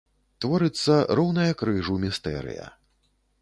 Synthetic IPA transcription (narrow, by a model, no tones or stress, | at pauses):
t̪vɔɾɨt̪sːɐrɔwnɐjɐkɾɨʐumʲist̪ɛ̰ɾɨ̰jɐ̰